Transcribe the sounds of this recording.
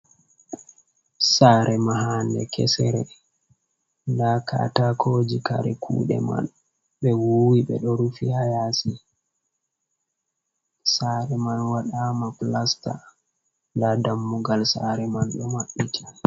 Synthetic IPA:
saːɾʔɛmaɦaːndɛkʰɛ̰sɛɾɛ | ndakʰa̰takʰoːd͡ʒika̰ɾɛkʰṵːɗɛ̰ma̰n | ɓɛwuwiɓɛɗɔɾufihajaːsi | saɾɛmanwaɗaːmaplasta̰ | ndadamːuɡalsaɾɛmanɗɔmaɓːitʰḁ

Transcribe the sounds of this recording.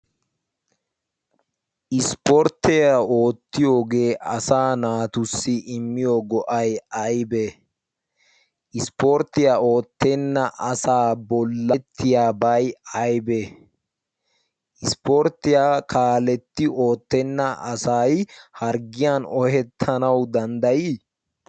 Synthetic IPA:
ʔɪspɔɾt̪ɛɐo̞ːt̪ːɪjo̞ːɡe̞ːʔɐsaːnaːt̪ʊsːɪʔɪmːɪjoːɡɔʔɐjɐjbɛ | ʔɪspɔɾt̪ːɪjao̞ːt̪ːɛnːɐʔɐsaːbɔlːɐt̪ʰːɪjaːbɐjɐjbɛ | ʔɪspɔɾt̪ːɪjaːkaːlɛt̪ːɪo̞ːt̪ːɛnːɐʔɐsajhɐɾɡɪjaːnɔhɛt̪ʰːɐnɐwd̪ɐnd̪ɐjɪ

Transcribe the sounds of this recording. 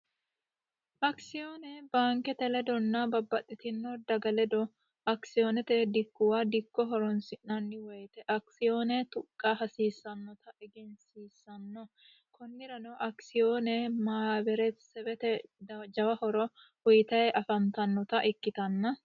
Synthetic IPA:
ʔɐksɪjoːnɛbaːŋkɛt̪ɛlɛd̪ɔnːɐbɐbːɐt̪ʼːɪt̪ɪnːɔd̪ɐɡɐlɛd̪ɔ | ɐksɪoːnɛt̪ɛd̪ɪkːʊwaːd̪ɪkːɔɦɔɾɔnsɪʔnɐnːɪwɔjt̪ɛʔɐksɪjoːnɛt̪ʊkʼːɐɦɐsiːsːɐnːɔt̪ɐʔɛɡɛnsiːsːɐnːɔ | kʰɔnːɪɾɐnɔʔɐksɪjoːnɛmaːbɛɾɛsɛbɛt̪ɛd͡ʒɐwɐhɔɾɔ | hɔjt̪ɐjɛʔɐfɐnt̪ɐnːɔt̪ɐʔɪkːɪt̪ɐnːɐ

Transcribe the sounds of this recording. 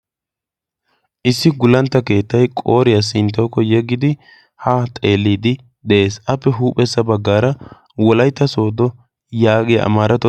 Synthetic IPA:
ʔɪsːɪɡʊlɐnt̪ːɐke̞ːt̪ːɐjkʼo̞ːɾɪjɐs̬ɪnt̪ːɔːkːɔjɛɡːɪd̪ɪ | hat̪ʼe̞ːlːiːd̪ɪ | d̪ɛeːsʔɐpːɛɦuːpʼɛsːɐbɐɡːaːɾɐ | wɔlɐjt̪ːɐso̞ːd̪ɔ | jaːɡɪjɐ̰ʔɐ̰maːɾɐt̪ːɔ

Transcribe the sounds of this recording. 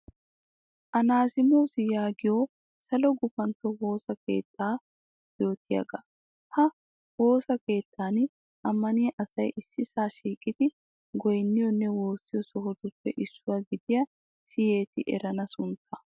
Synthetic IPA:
ʔɐnaːsɪmowsɪjaːɡɪjo | sɐlɔɡʊfɐnt̪ːɔwo̞ːsɐke̞̰ːt̪ːaː | jo̞ːt̪ʰːɪjɐ̰ɡɐ | hɐ | wo̞ːsɐke̞ːt̪ʰːaːn | ʔɐmːɐnɪjɐʔɐsɐjʔɪsːɪsaːʃiːkʼɪd̪ɪ | ɡɔjnːɪjɔnːɛwo̞ːsːɪjɔsɔɦɔd̪ʊpːɛʔɪsːʊwaɡɪd̪ɪjɐ | sɪje̞ːt̪ɪʔɛ̰ɾɐnɐsʊnt̪ʰːɐ

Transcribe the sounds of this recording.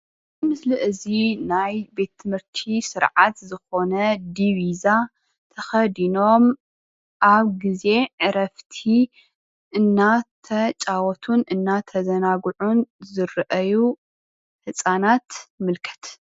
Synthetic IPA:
zɨmɨsliʔɨzinajbe̞t̪ʰːɨmhɨɾt̪ʰisɨɾʕat̪zɨxo̞nɐd̪iβiza | t̪ʰɐxɐd̪ino̞m | ʔaβɡize̞ʕɨɾɐft̪ʰi | ʔɨnːat̪ʰɐt͡ʃʼawɔt̪ʰunʔɨnːat̪ʰɐzɐnaɡʕunzɨɾʔɐju | hɨsʼanat̪mɨlkʰɐ̥t̪

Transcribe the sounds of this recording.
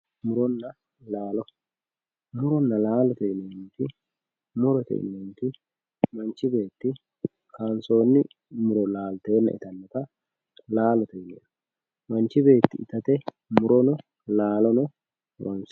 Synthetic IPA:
mʊɾɔnːɐ | laːlɔ | mʊɾɔnːɐlaːlɔt̪ɛɪnɛnɛnt̪ɪ | mʊɾɔt̪ɛ̰ʔɪ̰nɛnɛnt̪ɪ | mɐnt͡ʃːɪbe̞ːt̪ːɪ | kaːnso̞ːnːɪ | mʊɾɔlaːlt̪e̞ːnːɐ̰ʔɪ̰t̪ɐnːɔt̪ɐ | laːlɔt̪ɛɪnɛ̰ɐ | mɐnt͡ʃːɪbe̞ːt̪ːɪʔɪt̪ɐt̪ɛ | mʊɾɔnɔ | laːlɔnɔ | mʊ̰ɾɔns

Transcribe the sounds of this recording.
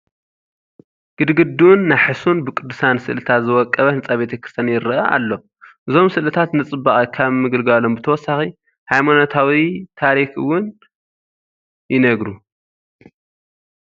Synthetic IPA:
ɡ̥ɨd̪ɡɨd̪ːunːajħɨsunbɨkʼɨd̪ːɨsansɨʔlɨt̪ʰat̪zɨwɔkʼːɐβɐnɨt͡sʼaβbet̪ʰɐkɾɨ̥st̪ʰɐnjɪɾɐʔɐʔa̰lːo̞ | ʔɨzo̞msɨlɨt̪ʰat̪nɨt͡sʼɨbːaχʼɐkʰaβmɨɡɨlɡalombɨt̪ʰɐwɔsːaxi | hajmanot̪ʰawit̪ʰaɾixɨ̰wʊn | jɪnɐɡɾu

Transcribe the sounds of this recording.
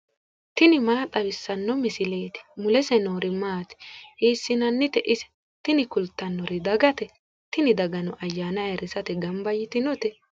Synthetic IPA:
t̪ɪnɪmaːt̪ʼɐwɪsːɐnːɔmɪsɪle̞ːt̪ɪ̥mʊlɛsɛnoːɾɪmaːt̪ɪ̥ʔiːsːɪnɐnːɪt̪ɛʔɪsɛ̥ | t̪ɪnɪkʊlt̪ːɐnːɔɾɪd̪ɐɡɐt̪ɛ | t̪ɪnɪd̪ɐɡɐnɔʔɐjːaːnɐjɛɾɪsɐt̪ɛɡɐmbɐjɪt̪ɪnɔt̪ɛ

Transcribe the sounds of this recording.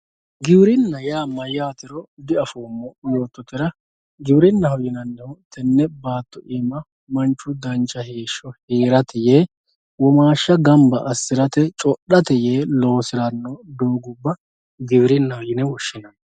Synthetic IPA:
ɡɪbɪɾɪnːɐjaːmɐjaːt̪ɪɾɔd̪ɪɐfoːmːɔjo̞ːt̪ːɔt̪ːɪɾɐ | ɡɪbɪɾɪnːɐhɔjɪnɐnːɛhʊt̪ɛnːɛbaːt̪ːɔʔɪmːɐ | mɐnt͡ʃːʊd̪ɐnt͡ʃːɐheːʃːɔheːɾɐt̪ɪjeː | wɔmaːʃːɐɡɐmbɐʔɐsːɪɾɐt̪ɛt͡ʃʼɔɗɐt̪ɛjeːlo̞ːsɪɾɐnːɔd̪oːɡʊbːɐ | ɡɪbɪɾɪnːɐhɔjɪnɛwɔʃːɪnɐn

